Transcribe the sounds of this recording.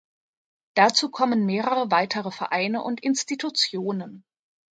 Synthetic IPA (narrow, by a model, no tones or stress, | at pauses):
d̥at͡suːkʰɔmənmeːʁəʁəvaɪtʰəʁəfɛɐʔaɪnəʔʊntɪnstitʰut͡sjoːnən